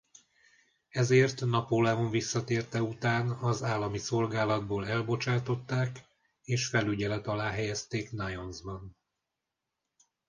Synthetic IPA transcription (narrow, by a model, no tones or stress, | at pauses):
ɛzeːrt̪nɒpolɛoɱvisːɒt̪eːrt̪ɛut̪aːnɒzaːlːɒmiso̞lɡaːlɒd̪̚boːlɛlbo̞t͡ʃaːt̪o̞t̪ːaːk | eːʃfɛlyɟɛlɛt̪ɒlaːɦɛjɛst̪eːknajonzbɒn